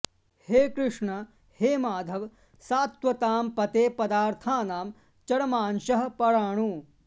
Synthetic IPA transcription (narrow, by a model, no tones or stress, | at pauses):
heːkɾɪʂɳɐ | heːmaːd̪ʱɐʋ | saːt̪ʋɐt̪aːmpɐt̪eːpɐd̪aːɾt̪ʰaːnaːm | t͡ʃɐɽɐmaːnʃɐɦɐpɐɽaːɳ̃uː